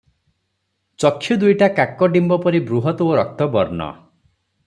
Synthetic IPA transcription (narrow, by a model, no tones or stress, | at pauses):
t͡ʃɔkʰːjud̪ujʈakakːɔɖimbɔpɔɾibɾuɦɔt̪ɔoɾɔk̚t̪ɔbɔɾnɔ̰